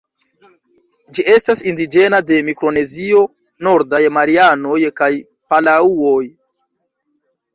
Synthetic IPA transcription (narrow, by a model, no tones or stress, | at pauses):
d͡ʒiʔe̞stasindid͡ʒe̞nade̞mikɾo̞ne̞zio̞ | no̞ɾdajmaɾiano̞jkaj | palauoj